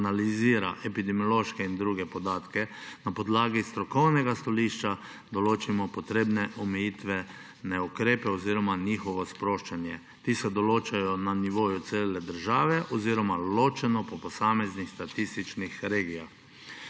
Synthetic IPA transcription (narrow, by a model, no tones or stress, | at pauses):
naliziːɾaʔɛpid̪ɛmijɔloʃkɛind̪ɾuːɡɛpɔd̪aːt̪kɛnapɔd̪laːɡist̪ɾɔkɔwnɛɡast̪ɔliːʃt͡ʃa | d̪ɔloːt͡ʃimɔpɔt̪ɾeːbnɛʔɔmɛjit̪ʋɛ | nɛukɾeːpɛɔziːɾɔmaniːxɔʋɔspɾoːʃt͡ʃanjɛ | t̪iːsɛd̪ɔloːt͡ʃajɔnaniʋoːjut̪seːlɛd̪əɾʒaːʋɛʔɔziːɾɔmaloːt͡ʃɛnɔpɔpɔsaːmɛznixst̪at̪ist̪it͡ʃnixɾeːɡijax